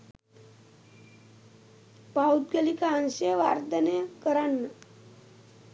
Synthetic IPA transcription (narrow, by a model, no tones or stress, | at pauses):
paud̪̚ɡelikaənɕeʋa̰ɾd̪ənekəɾanːa